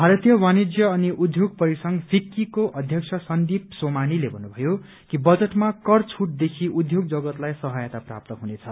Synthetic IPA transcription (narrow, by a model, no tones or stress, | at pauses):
bʱaɾʌt̪jʌwanid͡zjʌːniʔud̪ʱjoɡ̚pʌɾisʌŋpʰikːikoʔʌd̪ʱjʌksʰʌsʌnd̪ipsomanilebʱʌnːubʱʌjo | kibʌd͡zʌʈmakʌrt͡sʰuʈ̚d̪ekʰiʔud̪ʱjoɡd͡zʌɡʌt̪lajsʌɦʌjʌt̪apra̰p̚t̪ʌɦunet͡sʰʌ